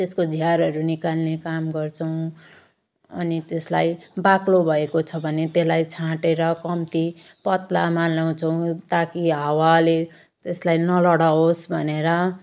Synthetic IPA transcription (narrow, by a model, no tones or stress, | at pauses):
t̪eskod͡zʱiɦaɾʌɾunikalːekamɡʌrt͡sʰʌw̃ | ʌ̰nit̪eslajbaklobʱʌekot͡sʰʌbʱʌnet̪eslajt͡sʰãʈeɾʌkʌmt̪i | pʌt̪lamalaw̃t͡sʰʌw̃t̪akiɦawale | t̪eslajnʌlʌɽaɦosbʱʌneɾʌ